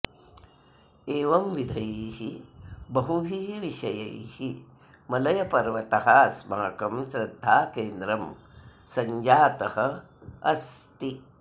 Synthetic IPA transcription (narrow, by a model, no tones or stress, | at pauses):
eːʋɐmʋid̪ʱɐjihibɐɦuɦiːɦʋiʃɐjɐ̰jhi | mɐlɐjɐpɐɾʋɐt̪ɐɦaːsmaːkɐmsɾɐd̪ʱːaːkeːnd̪ɾɐm | sɐɲd͡ʒaːt̪ɐhɐ | ɐst̪i